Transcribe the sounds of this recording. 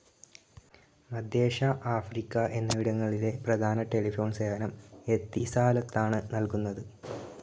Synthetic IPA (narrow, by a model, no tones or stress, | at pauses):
mɐd̪ʱje̞ːʂaʔaːfrikːɐʔe̞nːɐʋiɽɐŋːɐɭile̞prɐd̪ʱaːnɐʈe̞lifo̞ːɳseːɐnɐme̞t̪ːisaːlɐt̪ːaːɳɨnɐlkunːɐðɨ